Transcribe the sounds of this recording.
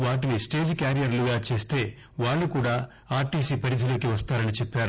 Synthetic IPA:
ʋaːʈ̬inisʈe̞ːd͡ʒkaːɾijɐɾluɡaːt͡ʃe̞ːst̪e̞ː | ʋaːɭːukuːɽaː | aːɾʈiːsiːpɐɾid̪ʱilo̞ːkiʋɐst̪aːɾɐnit͡ʃepːaːɾu

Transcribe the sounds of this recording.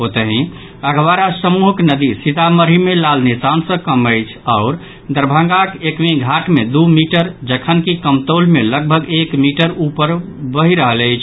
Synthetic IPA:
ɦot̪əɦĩ | əɡʋaɾasəmuɦəknəd̪isit̪aməɾimelalnesansə̃kəməɪt͡ʃʰaʊɾ | d̪əɾbʱə̃ŋɡakekʋĩɡʱaʈmed̪umiʈəɾd͡ʒəkʰənkikəmt̪olmeləɡ̚bʱəɡekmiʈəɾupəɾ | bəɦiɾəɦələjt͡ʃʰ

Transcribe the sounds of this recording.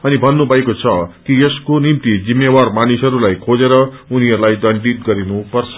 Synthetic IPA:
ʌnibʱʌnːubʱʌekot͡sʰʌkieskonimt̪id͡zimːjewarmanisʌɾulajkʰod͡zeɾʌuniɦʌɾulajd̪ʌɳɖit̪̚ɡʌɾinupʌrt͡sʰʌ̥

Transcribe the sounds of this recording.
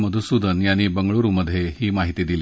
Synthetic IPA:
məd̪ʱusud̪ʱənjaɽ̃iːbəŋɡɭoɾuməd̪ʱjehiːmaɦit̪iːd̪ili

